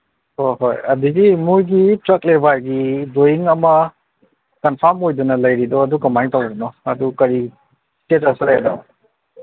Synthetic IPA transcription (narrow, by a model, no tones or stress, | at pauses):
hojɦojɐdiɡimujɡitɾɐklebajɡidojiŋɐmɐ | kɐnpʰaɾmojdɔnɐlɐjɾidɔːdukɐmajŋtawdinɔɐdukɐɾi | tetasaɾajda̰w